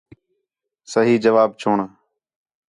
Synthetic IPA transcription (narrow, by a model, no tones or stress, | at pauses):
səɦiːd͡ʒəʋaːbt͡ʃʰoːɳaː